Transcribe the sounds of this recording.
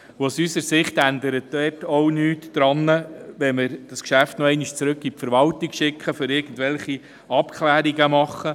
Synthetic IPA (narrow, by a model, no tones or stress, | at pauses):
wasysəɾsɪχt̪ænd̪əɾətdɛtɔwnyːtd̥ɾɑnːəʋɛnmɪɾd̥ɑskʃæftnɔɛɪniʃt͡sɾɵkɡipfəɾʋɑlt̪ikʃɪkʰχəføɾɪɾɡ̥ən̩dʋɛlχi | ɑpkʰlæːɾiɡəmɑχːə